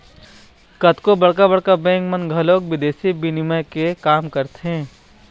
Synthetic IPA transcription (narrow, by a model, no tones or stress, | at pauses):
kɐt̪kobɐɽkabɐɽkabɛ̃ːŋkmə̃nɡʱɐloːk̚ʋɪd̪eːsibinɪməkekaːmkɐɾt̪eɦɛ̃ː